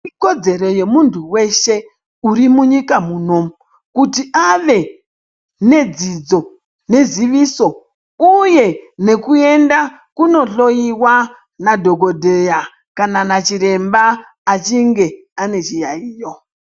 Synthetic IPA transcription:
iko̞d͡ze̞ɾo̞je̞muntʰuwe̞ʃe̞ | uɾimuɲikamuːno̞ | kutiʔaʋe̞ | ne̞d͡zid͡zo̞ | ne̞ziʋiso̞ | uje̞ne̞kue̞nda | kuno̞ɬo̞jiwa | nadʱo̞ɡo̞dʱeja | kananat͡ʃiɾe̞mbaː | t͡ʃiŋɡe̞ | ane̞t͡ʃijaiːjo

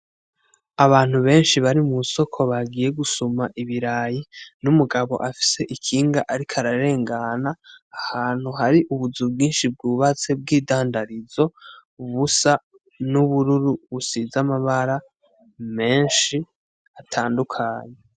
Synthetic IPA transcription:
aβaːn̥huβe̞ːnʃiβaɾimuso̞kʰo̞βaɡiːje̞ɡusomaʔiβiɾaːjinumuɡaβo̞̰ʔafi̥se̞ʔikʰiːŋɡaʔaɾikʰaɾaɾe̞ːŋɡanaːhaːn̥huɦaɾiʔuβuzubɡiːnʃib̚ɡuβat͡se̞b̚ɡiːdaːndaɾizo̞βusa | nuβuɾuɾuβusizamaβaɾa | me̞ːnʃi | atʰaːndukʰaːɲe

